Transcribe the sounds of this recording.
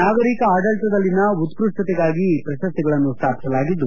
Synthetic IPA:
naːɡɐɾikɐaːɖɐɭʈ̪ɐd̪ɐlːinɐut̪kɾusʈ̪ɐt̪ɛɡaːɡipɾɐʃɐst̪ɛɡɐɭɐnːust̪ʰaːpi̥sɐlaːɡid̪ːu

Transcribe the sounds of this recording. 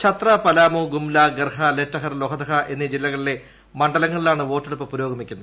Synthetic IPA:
t͡ɕʰɐt̪rɐpɐlaːmuɡumlaɡɐrɦɐle̞tːɐɦɐrloɦɐd̪ɐɦɐʔe̞nːid͡ʑilːɐɣɐɭile̞ | mɐɳɖɐlɐŋːɐɭilaːɳɨʋo̞ːʈːeɽupːɨpuɾo̞ːɡɐmikʲːunːuð

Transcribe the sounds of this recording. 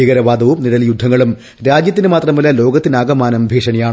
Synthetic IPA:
iɣɐɾɐʋaːd̪ɐʋumniɽɐljud̪ʱːɐŋːɐɭum | ɾaːd͡ʑjɐt̪ːinɨmaːt̪rɐmɐlɐlo̞ːɡɐt̪ːinaːɡɐmaːnɐmbʱeːʂɐɳijaːɳ

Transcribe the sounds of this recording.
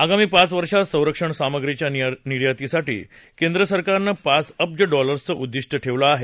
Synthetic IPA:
aɡamiːpat͡sʋəɾʂasə̃w̃ɾəkʂəɳsaməɡɾet͡ɕjaniɽjat̪isaʈḭː | kẽnd̪ɾəsəɾkaɾnəpasəp̚d͡ʑəɖɔləɾst͡səʔud̪ːiʂʈəʈʰeʋləaɦe

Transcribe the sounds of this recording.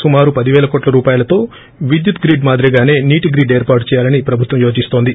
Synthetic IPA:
sumaːɾupɐd̪iʋɛːlɐkoːʈlɐɾuːpaːjɐlɐt̪o̞ː | ʋid̪jut̪ɡɾiːɖmaːd̪ɾɐɡaːne̞ːniːʈiɡɾiːɖe̞ːɾpaːɾʈu̥t͡ʃɛːjaːlɐnipɾɐbʱut̪ʋɐmjo̞ːd͡ʒist̪o̞ːnd̪i

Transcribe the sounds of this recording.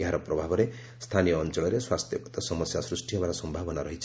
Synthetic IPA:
aɾʌprʌbʱabʌɾe | st̪ʰanijʌːnt͡sʌɭʌɾeswast̪ʰjʌkt̪ʌsʌmʌsjasrisʈʰijʌbaɾasʌmbʱabʌnaɾʌɦit͡sʰ

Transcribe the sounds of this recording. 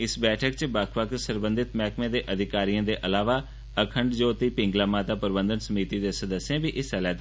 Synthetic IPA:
ɪsbɛːʈʰəkt͡ʃbakʰʋəksəɾbənd̪ɪt̪mɛːkʰmẽːd̪eːʔəd̪ʱɪkaːɾijãːd̪eːʔəlaːʋaː | əkʰəɳɖd͡ʒoːt̪iːpɪ̃ŋɡlaːmaːt̪aːpəɾɪbə̃nd̪ənsəmiːt̪iːd̪eːsəd̪əsːẽːbiːʔɪsɛlɛːt̪

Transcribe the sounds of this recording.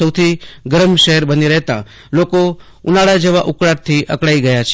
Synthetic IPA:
əwt̪ʰiɡəɾəmʃəɦəɾbəniɾəɦt̪ã̰ | loko | ʊnaɽad͡ʒeʋaʔukɽaɾt̪ʰiʔə̰kɽaiɡəjat͡ʃʰ

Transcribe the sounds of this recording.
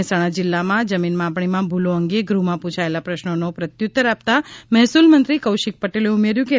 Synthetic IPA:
saɽ̃ad͡ʒɪlːamãd͡ʒəminmãpɳ̃imãbʱuloəŋɡeɡɾumãpũt͡ʃʰaelapɾəʃnonopɾət̪jut̪ːəɾap̚t̪amɛɦsulmənt̪ɾikəwʃɪk̚pəʈeleumeɾjũke

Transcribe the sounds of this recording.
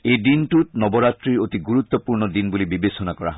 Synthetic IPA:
ejdintutnɔbɔɹatɹiɹotiɡuɹut̪ːɔpuɹnɔdinbulibibesɔnakɔɹa̰

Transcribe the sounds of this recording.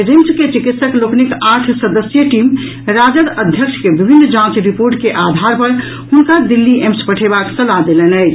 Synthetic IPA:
ɾimsket͡ʃikit̪səkloknikaʈʰsəd̪əsjəʈim | ɾad͡ʒəd̪əd̪ʱjəkʃʰkebibʱinːd͡ʒãt͡ʃɾipoɾʈkeʔad̪ʱaɾpəɾ | hunkad̪ilːiʔemspəʈʰebaksəlad̪elenəɪt͡ʃʰ

